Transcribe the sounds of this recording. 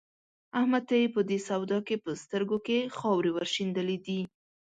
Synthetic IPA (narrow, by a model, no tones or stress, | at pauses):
ahmad̪̚t̪ajipəd̪esawd̪ɑkepəst̪əɾɡokexɑwɾewaɾʃind̪əlid̪i